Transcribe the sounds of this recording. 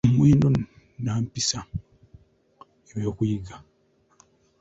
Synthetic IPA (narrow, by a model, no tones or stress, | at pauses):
mwiːndo | naːmpisa | ewokwiɡa